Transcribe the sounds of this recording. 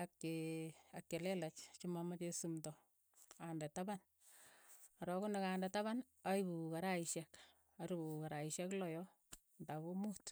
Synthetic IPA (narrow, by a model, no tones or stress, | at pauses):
akːeakːelɛlat͡ʃt͡ʃimamat͡ʃesumtɔ | andɛtaban | aɾɔkunakandɛtaβan | aibukaɾaiʃɛk | aɾubukaɾaiʃɛklɔjɔ | ndakomut